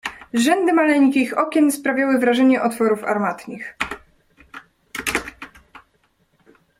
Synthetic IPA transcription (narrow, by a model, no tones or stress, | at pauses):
ʐɛnd̪ɘmalɛɲkʲixɔkʲɛnspɾavʲjawɘvɾaʐɛɲɛʔɔt̪fɔɾufa̰ɾmat̪ɲʲix